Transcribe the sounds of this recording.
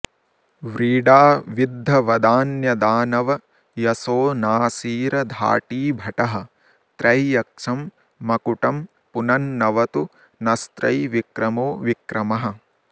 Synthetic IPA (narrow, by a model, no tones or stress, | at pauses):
ʋɾiːɖaːʋid̪ʱːɐʋɐd̪aːnjɐd̪aːnɐʋɐ | jɐsoːnaːsiːɾɐd̪ʱa̰ːʈiːbʱɐʈɐɦɐ̆ | t̪ɾɐjjɐk̚ʂɐmː | ɐkuʈɐm | punɐnːɐʋɐt̪u | nɐst̪ɾɐjʋikɾɐmoːʋikɾɐmɐɦɐ̆